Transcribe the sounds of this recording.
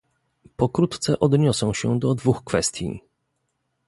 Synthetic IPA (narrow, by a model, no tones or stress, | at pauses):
pɔkɾut̪t̪sɛʔɔd̪ɲɔsɔ̃w̃ɕɛd̪ɔd̪vuxkfɛst̪ʲjḭ